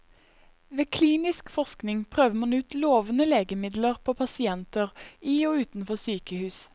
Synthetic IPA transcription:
ʋeːkʰliːnɪskfɔʁsknɪŋpʰʁøːʋəmɑnʉːt̪loːʋənəleːɡəmɪd̪ləʁpʰoːpʰɑsɪɛnt̪əʁiːoːʉːt̪n̩fɔsyːkəhʉːs

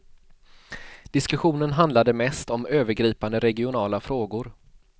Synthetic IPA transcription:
d̪̥ɪskɵɧuːnənɦand̪lad̪əmɛst̪ɔmøːvəɾɡɾiːpand̪əɾɛɡɪʊnɑːlafɾoːɡʊɾ

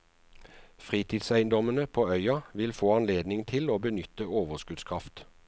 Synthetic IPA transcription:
fʁiːt̪ʰɪːd̪sæɪənd̪ɔmənəpʰoːœʏɑʋɪlfoːɑnleːd̪nɪŋt̪ʰɪloːbənʏt̪əoːʋəʁskʉd̪skʰʁɑft̪

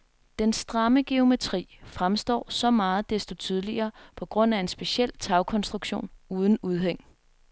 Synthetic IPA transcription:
d̥ensd̥ʁɑ̈məɡ̥e̝o̝me̝t͡sʰʁḭːfʁamsd̥ɒ̰ːsɒ̽mɑ̈ːð̩ˠd̥esd̥o̝t͡sʰyð̞ˠliɐːpʰɒ̽ɡ̥ʁɔ̽n̰æe̝nsb̥e̝ɕel̰t͡sʰɑ̈ʊkʰɒ̽nsd̥ʁuɡ̥ɕo̝̰ːnuːð̞ˠn̩uð̞ˠɦeŋ̰

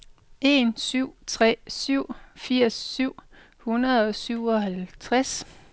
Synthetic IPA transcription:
e̝nsyʊ̰t͡sʰʁɛ̰syʊ̰fiɐ̰sːyʊ̰ | hunɐðˠɒ̽syʊ̰ɒ̽hælt͡sʰʁas

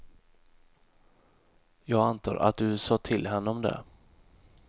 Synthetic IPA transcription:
jɑːɡant̪ʰɑ̰ːɾʔa̰t̪̚d̪ɵsɑːt̪ʰɪlɦɛnːəɔmd̪ɛ̰

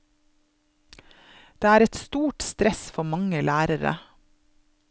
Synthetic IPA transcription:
d̪̥eːæːɾɛt̪st̪uːʈst̪ɾɛsfɔmɑŋəlæːɾəɾə̰

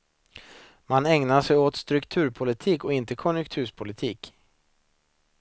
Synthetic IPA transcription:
manɛŋnaʂɛjoːt̪st̪ɾɵkt̪ʰʉ̟ːɾpʰʊlɪt̪ʰiːkɔɪnt̪əkʰɔnjɵk̚t̪ʰʉ̟ːʂpʰʊlɪt̪ʰiːk

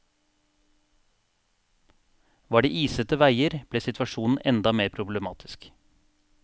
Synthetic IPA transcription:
ʋɑːɖḭːʔiːsət̪əʋæɪəɾb̥leːsɪt̪ʰʋɑʃuːn̩ɛ̰nd̪ɑmeːɾpʰɾʊbləmɑːt̪ʰɪ̥sk

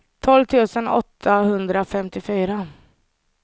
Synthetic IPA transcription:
t̪ʰɔlvt̪ʰʉ̟ːsənɔ̰t̪ʰːahɵnd̪ɾafɛmt̪ɪfyːɾa

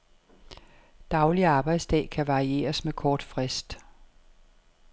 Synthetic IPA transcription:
d̥ɑ̈ʊliɑ̈ːb̥ɑ̈ɪd̥sd̥ɛ̰ːkʰæʋɑ̈ʁie̝̰ːɐsmekʰɒːd̥fʁɛsd̥

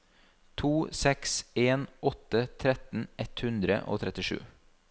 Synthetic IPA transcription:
t̪ʰuːsɛkseːnɔt̪ət̪ʰɾɛt̪n̩ɛt̪hʉnd̪ɾə̰ʔo̰ːt̪ʰɾɛt̪ɪʃʉ̰ː

